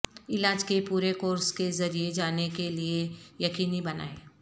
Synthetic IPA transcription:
ɪlaːd͡ʒkepuːɾekoːɾskezɐɾied͡ʒaːnekeliejɐkiːnibɐna̰ːeː

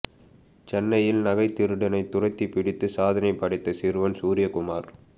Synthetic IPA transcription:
t͡ʃɛnːɐjɪlnɐɣɐɪt̪ːɪɾɯɽɐnɐɪt̪ʊrɐɪt̪ːipːɪɽɪt̪ːɯsaːðɐnɐɪpːɐɽɪt̪ːɐsɪɾɯʋɐnsuːɾɪjɐkʊmaːɾ

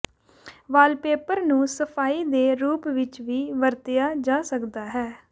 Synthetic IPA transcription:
ʋaːlpeːpəɾnũːsəpʰaːiːd̪eːɾuːpʋɪt͡ʃʋiːʋəɾt̪ɪjaːd͡ʒaːsəkd̪aːɦɛː

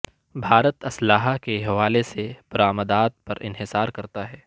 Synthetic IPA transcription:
bʱaːɾət̪ɐslaːɦakeɦɐʋaːlesebɐɾaːməd̪aːt̪̚pɐɾɪ̰nɦɪsaːɾkɐɾt̪aɦɛː

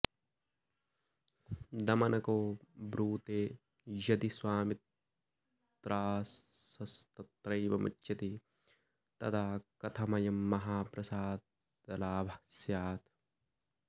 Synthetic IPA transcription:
d̪ɐmɐnɐkoːbɾuːt̪eː | jɐd̪iswaːmit̪ | t̪ɾaːsɐst̪ɐt̪ɾɐjʋɐmɐ̰t͡ʃːʃɐt̪i | t̪ɐt̪ʰaːkɐt̪ʰɐmɐjɐmːɐɦaːpɾɐsaːd̪̚ | ɐlaːbʱɐsjaːt̪

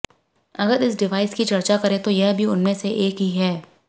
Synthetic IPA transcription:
ɐɡəɾɪs̬ɖɪʋaːɪskit͡ʃɐɾt͡ʃakɐɾẽt̪ojɛɦbʱiʊnmẽseʔeːkɦiɦɛː

